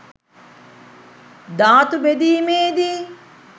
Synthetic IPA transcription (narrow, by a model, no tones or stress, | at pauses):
d̪aːt̪ubed̪iːmeːd̪i